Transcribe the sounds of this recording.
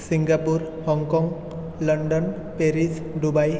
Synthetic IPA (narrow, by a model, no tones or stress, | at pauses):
siŋɡapuɾ | hɔŋkɔŋ | lɔɳɖɔn | peɾis | ɖubaj